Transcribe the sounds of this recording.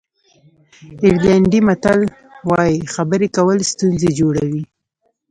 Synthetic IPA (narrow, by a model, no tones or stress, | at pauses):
ɪɾlaɳɖimat̪al | wɑjixabəɾekawəlst̪unzed͡ʒoɽawi